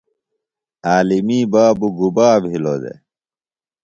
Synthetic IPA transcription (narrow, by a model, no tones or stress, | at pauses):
aːlimiːbaːbuɡubaːbɦilod̪ḛ